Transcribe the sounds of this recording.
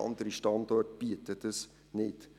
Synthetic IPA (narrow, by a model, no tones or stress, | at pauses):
ɑ̰nd̪əɾiʃtɑnd̪ɔrtb̥iətətəs | nɪt